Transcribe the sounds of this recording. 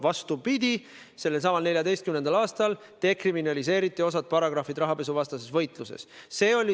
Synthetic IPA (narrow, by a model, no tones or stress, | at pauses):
vɑst̪upid̪̥ʲi | se̞lːels̬ɑmɑlne̞lʲjɑd̪ejst̪̚kymne̞nd̪ɑlɑːst̪ɑl | t̪e̞kriminɑlis̬e̞ːɾit̪ːˑio̞s̬ɑt̪̚pɑɾɑɡ̥rɑfid̪ɾɑɦɑpe̞suvɑst̪ɑse̞svɤ̞jt̪ˑlusḛsse̞ːo̞lʲi